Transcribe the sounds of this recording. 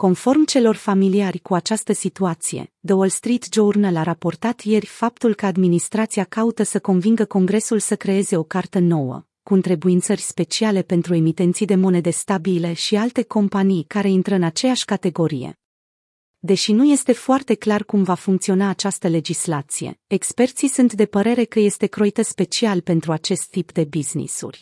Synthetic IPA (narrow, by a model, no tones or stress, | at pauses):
ko̞nfo̞rmt͡ʃe̞lo̞rfamiliarʲkuat͡ʃast̪əsit̪uat̪sije̞̰d̪əolst̪ɾit̪d͡ʒornalaɾapo̞rt̪at̪je̞rʲfap̚t̪ulkəad̪minist̪ɾat̪siakaut̪əsəko̞nviŋɡəko̞ŋɡɾe̞sulsəkɾe̞e̞ze̞o̞kart̪əno̞wə̰ | kuɨnt̪ɾe̞buint̪sərʲspe̞t͡ʃiale̞pe̞nt̪ɾue̞mit̪e̞nt̪sijd̪e̞mo̞ne̞d̪e̞st̪abile̞ʃialt̪e̞ko̞mpanijkaɾe̞int̪ɾəɨnat͡ʃe̞jaʃʲkat̪e̞ɡo̞ɾijḛ | d̪e̞ʃinuje̞st̪e̞foart̪e̞klarkumvafuŋk̚t̪sio̞naːt͡ʃast̪əle̞d͡ʒislat̪sije̞̰ekspe̞rt̪sisunt̪d̪e̞pəɾe̞ɾe̞kəje̞st̪e̞kɾo̞jt̪əspe̞t͡ʃialpe̞nt̪ɾuat͡ʃe̞st̪ːipd̪e̞biznḭsṵrʲ